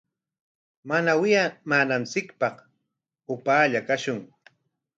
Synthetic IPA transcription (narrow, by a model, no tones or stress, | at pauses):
manawɪjamaːnant͡sɪkpɑχ | ʊpaːʎakaʃʊŋ